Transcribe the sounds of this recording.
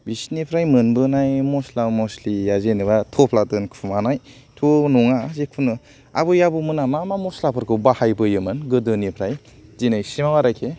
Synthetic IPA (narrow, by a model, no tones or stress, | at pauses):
bisnipʰɾajmɯnbɯnajmoslawmoslijazenɯβatʰopʰladɯnkʰumanaj | tʰunuŋazekʰunɯ | a̰bɯjabumɯnamamamɔslapʰɯɾkʰɯbahajbɯjɯmɯnɡɯdɯnipʰɾaj | zinajsimawaɾakʰe